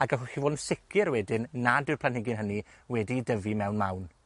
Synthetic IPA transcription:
aɡəχɔxivoːdn̩sɪkʰɪɾwɛdɪnːadɪrpʰlanɪɡɪnɦəni | wɛdidəvimɛwnmawn

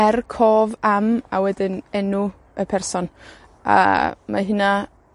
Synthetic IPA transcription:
ɛrkʰoːvamawɛdɪnɛnu | əpʰɛrsɔn | a̰ma̰ɦɪna

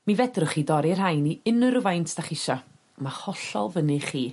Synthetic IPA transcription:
mivɛdrʊχiːdɔɾirhajniɪnəɾʊvajntʰd̥aχɪʃɔ | mahɔɬɔlˠvənɨχiː

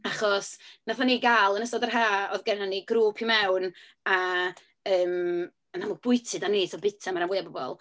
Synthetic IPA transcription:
aχɔsnaθaniːɡaːlˠənəsɔdərɦaːɔðɡɛnaniɡɾuːpʰimɛwn | a | əːm | anamʊɡ̚b̥ʊɨtʰɨdaneːsɔbɪtʰamaɾamwɪabɔbɔ̰lˠ

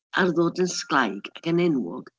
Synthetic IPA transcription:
arðoːdənsklˠajɡ̥aɡənɛnwɔ̰ɡ̥

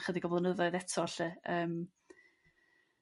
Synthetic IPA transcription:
χədiɡɔvlˠənəðɔɨðɛtʰɔɬɨəːm

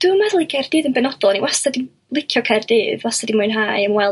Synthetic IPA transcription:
d̥uːmaðlˠiɡʰɛrd̥iːðənbɛnɔd̥ɔlˠniwastadim | lˠɪkʰjɔkʰɛrdiːðwastadimʊjnɦajəmwɛlˠ

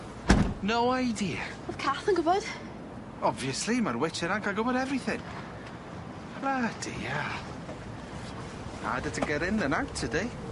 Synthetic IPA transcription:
nowajdia | ɔð̥kʰaθənɡʊvɔd̥ | ɔbviəslimarwɪt͡ʃʰɪnaɡaɡʊbɔɾɛvriθɪŋ | lad̥ḭa | a̰dətʰəɡɛɾɪnðənawtʰədej

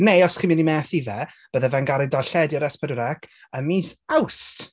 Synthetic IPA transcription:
neɔsχiːmɨnimɛθivɛb̥əðɛvɛnɡaɾɪdalɬɛdjɔɾɛspʰɛdəɾɛkʰ | əmiːsawst

